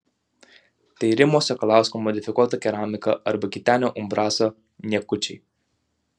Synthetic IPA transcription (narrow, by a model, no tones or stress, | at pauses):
t̪ejɾimosekɐlawskumod̪ifikɔt̪əkʲeɾamikəʔəɾbəkʲit̪ʲanʲoʔumbɾasə | nʲekːut͡ʃḭ